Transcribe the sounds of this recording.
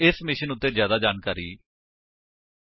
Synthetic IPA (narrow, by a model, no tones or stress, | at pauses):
ɪsmɪʃənʊt̪ːeːzjaːd̪aːd͡ʒaːnkaːɾḭː